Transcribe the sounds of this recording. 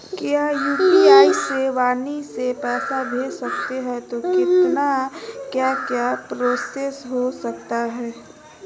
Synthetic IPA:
kjaːjuːpiaːiseʋaːnisepɛːsabʱeːsɐkt̪eɦɛ̃t̪okɪt̪nakjakjaːpɾoːsesɦosɐkt̪aɦɛː

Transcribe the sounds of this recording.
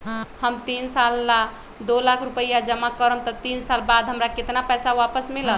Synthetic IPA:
həmt̪insalːa | d̪olakʰɾupəjad͡ʒəmːakəɾəmt̪ɔt̪insalbad̪ʱɦəmɾaket̪napɛsaʋapəsmilə

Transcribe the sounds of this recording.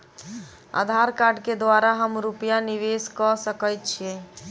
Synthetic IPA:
a̰d̪ʱaɾkaɾɖked̪ʋaɾaɦəmɾupjaniʋeskɔsəkəjt̪̚t͡ʃʰiẽ

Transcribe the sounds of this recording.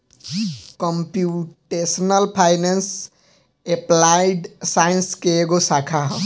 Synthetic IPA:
kɔmpjuʈesnəlpʰajnens | eplajɖsajnskeːɡosakʰaɦ

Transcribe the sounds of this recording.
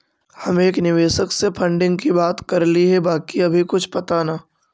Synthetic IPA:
hɐmeːknɪʋeːʃəksepʰɐ̃ɳɖɪ̃ŋɡkibaːt̪kɐɾliɦɛbaːkiɐbʱikʊt͡ʃʰpɐt̪anaː

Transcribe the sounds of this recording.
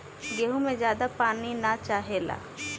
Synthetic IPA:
ɡeːɦũmẽzjaːd̪apaːninat͡ʃaːɦeːla̰ː

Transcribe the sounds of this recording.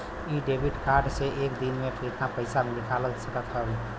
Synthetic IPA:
iɖeːbɪɖkaːɾɖseʔeːkd̪inmẽpʰɪɾɪt̪napəɪsamẽlɪkʰaləɡsəkət̪ɦaɦi

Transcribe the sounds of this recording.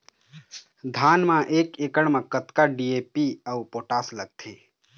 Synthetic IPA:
d̪ʱaːnmãʔeːkeːkəɽmãkət̪kaɖiːeːpiəupoːʈaːsləɡ̚t̪ʰeː

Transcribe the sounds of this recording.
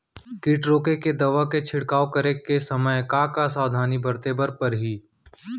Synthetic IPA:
kɪʈɾoːkeked̪ɐʋaket͡ʃʰɪɽkaːokəɾekesɐməjkakasaːʋd̪ʱaːnibɐɾt̪ebəɾpɐɾɦiː

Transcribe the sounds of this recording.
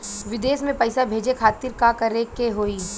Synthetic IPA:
ʋɪd̪eːsmẽpɐjɪsabʱeːd͡ʒekʰaːt̪ɪɾkakɐɾekeɦoːiː

